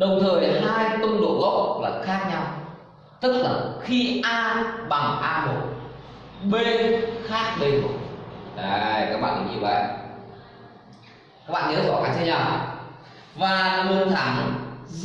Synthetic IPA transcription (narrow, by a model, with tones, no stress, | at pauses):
ɗə˨˩wŋ͡mt̪ʰəː˨˩jɦaː˧jt̪ʊ˧ŋ͡mɗo̰˧˨ɣɔ̰˧˨laː˨˩xaː˦˥k̚ɲa˧w | t̪ɨ˦˥k̚laː˨˩xi˧ʔaː˧ɓa˨˩ŋʔaː˧mo˨˩t̚ | ɓe˧nxaː˦˥k̚le˧jmo˨˩ʔa˨˧˨jkaː˦˥k̚ɓa̰ː˧˨kḭ˨˩ɲi˧˩va̰˨˩ | ka˦˥k̚ɓa̰ː˧˨ɲəː˨˦˥zɔ˨˩˦xaː˨˦ŋt͡ɕ̪ʰːɲaː˨˩˨ | vaː˨˩lə˨˧˩nt̪ʰaː˨˦m˨˩